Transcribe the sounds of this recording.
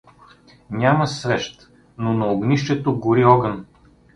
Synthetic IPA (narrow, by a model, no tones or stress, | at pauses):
nʲamɐsvɛʃt̪ | nonɐoɡniʃt̪ɛt̪oɡʊɾiɔɡən